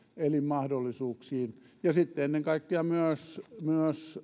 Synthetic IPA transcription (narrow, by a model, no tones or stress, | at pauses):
elimmɑhdolːisuːksiːn | jɑsit̪ːeenːeŋkɑikːeɑmyøsmyøs